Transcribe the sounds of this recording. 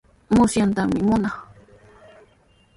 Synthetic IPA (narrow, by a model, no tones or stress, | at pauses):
mʊsjant̪aŋmɪmʊnaχ